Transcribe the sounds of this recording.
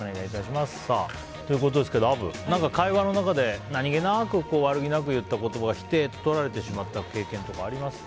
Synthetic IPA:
ɲeɡ̪ait̪aɕimasɨ̥saː | t̪o̞jɯ̟ko̞t̪̬o̞d̪e̞sɨ̥ke̞d̪o̞abɯ̟̰nãŋkakaiβano̞nakad̪e̞naɲ̟iɡe̞nakɯ̟ko̞ːβaɾɯ̟ɡʲinak̬ɯ̟jɯ̟t̪ːako̞t̪o̞baɡaçʲi̥t̪e̞tt̪o̞ɾaɾe̞t̪e̞ɕimat̪ːake̞ːkẽnt̪o̞kaːɾʲimasɨ̥

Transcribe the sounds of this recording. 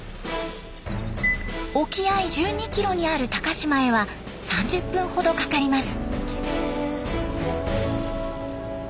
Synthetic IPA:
o̞kʲiaiʑɨːɲ̟ikʲiɾo̞ɲ̟iaɾɯ̟t̪akaɕimae̞βa | sãɲ̟d͡ʑɨpːɯ̟̃ɰ̃ho̞d̪o̞kakaɾʲimasɨ̥

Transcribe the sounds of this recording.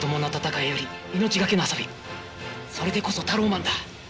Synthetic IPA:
d̪o̞mo̞not̪at̪akaijo̞ɾʲi | ino̞t͡ɕiɡake̞noaso̞bʲi | so̞ɾe̞d̪e̞ko̞so̞t̪aɾo̞ːmãnd̪a

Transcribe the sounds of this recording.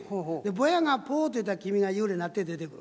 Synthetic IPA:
hod̪e̞bojaŋapoːt̪ojit̪̬ːakʲimʲiŋajɯːɾenat̪ːe̞d̪e̞t̪e̞kɯɾ

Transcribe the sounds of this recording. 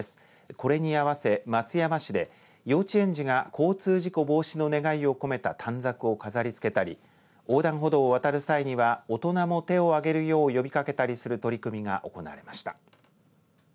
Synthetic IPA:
sɨ̥ | ko̞ɾe̞ɲ̟iaβ̞ase̞mat͡sɨjamaɕid̪e̞ | jo̞ːt͡ɕiẽ̞ɲ̟d͡ʑiɡakʰo̞ːt͡sɨːʑiko̞bo̞ːɕino̞ne̞ɡaio̞ko̞me̞t̪at̪ʰãnd͡zakɯ̟o̞kazaɾʲit͡sɨ̥ke̞t̪aɾʲḭ | o̞ːd̪ãɰ̃ɦo̞d̪o̞ːβ̞at̪aɾɯ̟saiɲ̟iβaot̪o̞namo̞t̪e̞o̞aɡe̞ɾɯ̟jo̞ːjo̞bʲikake̞t̪aɾʲisɨɾɯ̟t̪o̞ɾʲikɯ̟mʲiɡa̰ʔo̞ko̞̰na̰ːɾe̞maɕi̥t̪ḁ

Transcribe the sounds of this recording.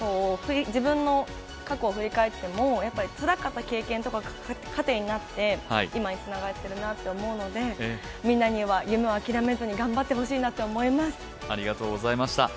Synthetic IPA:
so̞ːɸɯ̟ɾʲid͡ʑibɯ̟̃nːo̞ | kakoːɸɯ̟ɾʲikae̞t̪ːe̞mo̞japːaɾʲit͡sɨɾakat̪ːake̞ːkẽnt̪o̞ka | kʰat̪e̞ːɲ̟inat̪ːe̞haiimaɲ̟it͡sɨnaɡaɾet̪ːe̞ɾɯ̟nat̪ːe̞omo̞ɯ̟no̞d̪e̞ | mʲĩnːaɲ̟iβajɯ̟me̞oakʲiɾame̞zɨɲ̟iɡãmbat̪ːe̞ɦo̞ɕiːnat̪ːoomo̞imasɨ̥ | aɾʲiɡat̪o̞ːɡozaimaɕi̥t̪a̰

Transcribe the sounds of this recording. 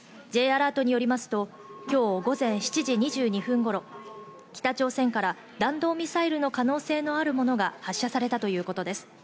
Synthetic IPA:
d͡ʑe̞ːaɾaːt̪o̞ɲ̟ijo̞ɾʲimasɨ̥t̪o̞ | kʲo̞ːɡo̞zẽ̞ɰ̃ɕi̥t͡ɕiʑiɲ̟iʑɨːɲ̟iɸɯ̟̃ŋɡo̞ɾo̞ | kʲi̥t̪at͡ɕo̞ːsẽ̞ŋkaɾa | d̪ãnd̪o̞ːmʲisaiɾɯ̟no̞kano̞ːse̞ːno̞aɾɯ̟mo̞no̞ɡahaɕːasaɾe̞t̪at̪o̞jɯ̟ːko̞t̪o̞d̪e̞sɨ̥

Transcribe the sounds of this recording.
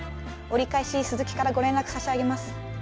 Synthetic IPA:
o̞ɾʲikaiɕisɨzɨkʲi̥kaɾaɡo̞ɾẽ̞nɾakɯ̟̥saɕiaɡe̞masɨ̥

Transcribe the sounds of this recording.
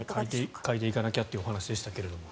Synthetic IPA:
k̪kait̪e̞ikanakʲat̪ːojɯoɦanaɕid̪e̞ɕi̥t̪ake̞ɾe̞d̪o̞mo

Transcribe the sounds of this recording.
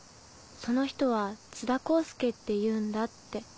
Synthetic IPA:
so̞no̞çi̥t̪o̞β̞at͡sɨd̪ako̞ːsɨ̥ke̞t̪ːe̞jɯ̟ːnd̪at̪ːe̞

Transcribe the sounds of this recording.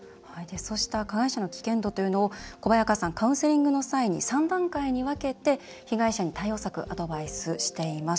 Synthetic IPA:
haid̪eso̞ɕi̥t̪akaɡaiɕano̞kʲi̥kẽ̞nt̪o̞t̪o̞jɯ̟no̞ːko̞bajakasãŋkaɯ̟̃se̞ɾʲĩŋɡɯ̟no̞saiɲ̟ḭsãnd̪ãŋkaiɲ̟iβake̞t̪e̞ | çiɡaiɕaɲ̟it̪aio̞ːsakɯ̟̰ʔad̪o̞baisɨɕi̥t̪e̞imas

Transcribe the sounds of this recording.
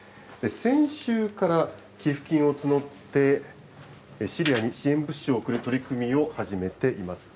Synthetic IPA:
d̪̥e̞sẽ̞ɰ̃ɕɨːkaɾa | kʲeɸɯ̟̥kʲĩɰ̃o̞t͡sɨno̞t̪ːe̞ | ɕiɾʲijaɲ̟iɕiẽ̞mbɯ̟ɕːɨoːkɯɾɯ̟t̪o̞ɾʲikɯ̟mʲio̞haʑime̞t̪e̞ʔimasɨ̥

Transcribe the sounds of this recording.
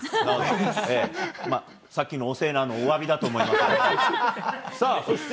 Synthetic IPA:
naoemaː | sakʲːino̞ːse̞ːnano̞ːβabʲid̪at̪o̞ːmo̞iimask | saːsoɕt̪

